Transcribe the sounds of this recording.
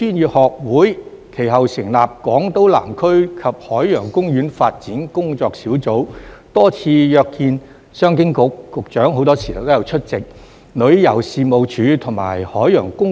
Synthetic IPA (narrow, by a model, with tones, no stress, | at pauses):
yː˥niː˨˧hɔː˨k̚wuː˨˥j | kʰe˨˩jɦɐ˨wsɪ˨˩ŋlaː˨p̚kɔː˨˥ŋt̪o˨˥wla̰ː˨˩mkʰɵ˥ɥkʰɐ˨p̚hɔː˨˥jjœː˨˩ŋkʊ˥ŋjyː˨˥nfaː˧t̚t͡siː˨˥nkʊ˥ŋt͡sɔː˧k̚siː˨˥wt͡so˨˥wt̪ɔː˥t͡sʰiː˧jœː˧kʰːiː˧n | sœː˥ŋkɪ˥ŋkʊ˨k̚ːʊ˨k̚t͡ʃœː˨˥ŋɦo˨˥wt̪ɔː˥siː˨˩t̪ɐ˨wt̪o˥jɐ˨˧wt͡ʃʰɵ˥t̚t͡sɪ˨k̚ | lɵ˨˧ɥjɐ˨˩wsiː˨˧mo˨˧wt͡ʃʰyː˨˧t̪ʰʊ˨˩ŋma̰ː˨˩jhɔː˨˥jœː˨˩ŋkʊ˥ŋ